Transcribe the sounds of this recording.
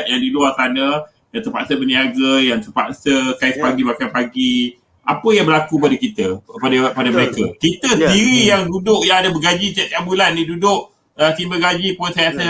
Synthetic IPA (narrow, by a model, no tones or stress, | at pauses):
t̪jaŋdiluart̪anə | jaŋt̪ərpa̰ʔsəbəniaɡəjaŋt̪ərpa̰ʔsəkaɪspaɡibakanpaɡi | apəjaŋbəlakuəp̬adakit̪əəpadapadaməɾekakit̪əst̪iɾijaŋdudʊʔ̚jaŋadabəɡad͡ʒid͡ʒɛt̪abulanːidudʊʔ | ət̪imbəɡad͡ʒiposajasə